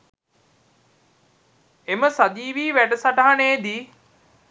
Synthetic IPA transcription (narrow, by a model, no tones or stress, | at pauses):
eməsad̪iːʋiːʋæʈəsaʈaɦaneːd̪i